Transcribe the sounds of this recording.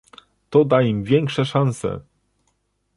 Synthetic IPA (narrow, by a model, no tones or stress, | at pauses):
t̪ɔd̪aimvʲjɛŋkʂɛʂansɛ̰